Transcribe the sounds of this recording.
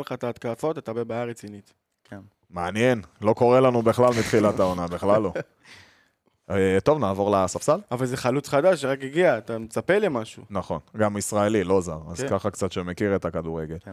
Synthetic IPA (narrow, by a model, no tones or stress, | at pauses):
lχataːt̪kafo̞t̪at̪abebaːjaʁet͡sinit̪ | meanjenlo̞ko̞ʁe̞lanubeχlalmit̪χilatao̞nabeχlalo | t̪o̞vnaːvo̞ʁlasafsalavalzeχalut͡sχad̪aʃʃeʁakiɡiaːt̪amet͡sape̞lemaʃṵnaχo̞nɡamisʁaelilo̞zaʁa̰zkaχakt͡sat̪ʃemekiʁet̪akad̪uʁe̞ɡe̞l